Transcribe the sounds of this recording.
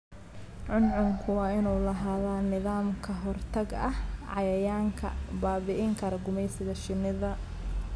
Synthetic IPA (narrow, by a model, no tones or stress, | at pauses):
ʕʊnʕʊŋkʰʊwɑːɪnuːlɐɦaːðaːnɪðaːmkʰɐɦɔrt̪ʰɐɡɐhʕɑ̰jɐjaːŋkʰɐ̰baːβɪʔɪŋkʰɐɾɐɡʊmɛjsɪɣɐʃɪnɪðɐ